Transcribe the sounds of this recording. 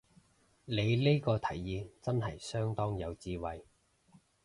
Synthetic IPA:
le˨˧jli˥jkɔː˧t̪ʰɐ˨˩jːiː˧t͡sɐ˥nhɐ˨jsœː˥ŋt̪ɔː˥ŋjɐ˨˧wt͡siː˧wɐ˨j

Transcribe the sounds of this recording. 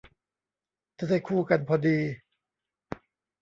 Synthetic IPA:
t͡ɕa˧˦da˥˩jkʰuː˥˩ka˧npʰɔː˧diː˧

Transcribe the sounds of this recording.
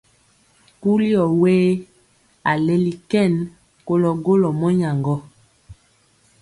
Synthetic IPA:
ku˦li˦ɔ˨weː˦ | a˨le˦li˨kɛ˦˨n | ko˦lɔ˨ɡo˦lɔ˨mɔ˦ɲa˨ŋɡɔ˦

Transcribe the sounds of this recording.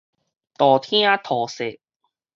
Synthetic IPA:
t̪ɔː˨t̪ʰĩ˥a˦t̪ʰɔː˨˩se˨˩

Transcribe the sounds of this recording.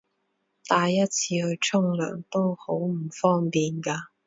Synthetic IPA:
t̪aː˧jːɐ˥t̚t͡sʰiː˧hɵ˧ɥt͡sʰʊ˥ŋlœ̰ː˨˩ŋt̪o˥who˨˥wm̩˨˩fɔː˥ŋpiː˨nkaː˧

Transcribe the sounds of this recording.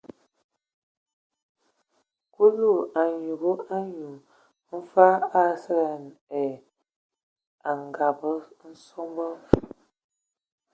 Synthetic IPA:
ku˦lu˦˨a˨ɲu˨ɣə˦a˦ɲu˨ | m̩˦fa˦a˦sə˦la˨nɛ˨ | a˨ŋ˨ɡa˨bə˦n̩˦so˦mbɔ˦

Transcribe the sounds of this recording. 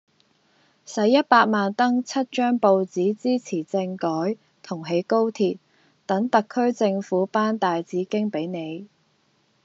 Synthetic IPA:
sɐ˨˥jːɐ˥t̚paː˧k̚maː˨nt̪ɐ˥ŋt͡sʰɐ˥t̚t͡ʃœː˥ŋpo˧wt͡siː˨˥t͡siː˥t͡sʰiː˨˩t͡sɪ˧ŋkɔː˨˥j | t̪ʰʊ˨˩ŋɦe˨˥jko˥wt̪ʰiː˨t̚ | t̪ɐ˨˥ŋt̪ɐ˨kʰːɵ˥ɥt͡sɪ˧ŋfuː˨˥paː˥nt̪aː˨jt͡siː˨˥kɪ˥ŋpe˨˥jne˨˧j

